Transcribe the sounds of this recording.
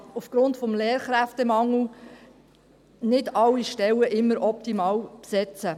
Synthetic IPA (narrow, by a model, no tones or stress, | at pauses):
ufɡ̥ɾʊntfɔmleːɾχɾæftɛmɑŋl̩ | nɪdɑlːiʃtɛwəʔɪmːəɾɔp̚t̪imɑːwpsɛt͡sə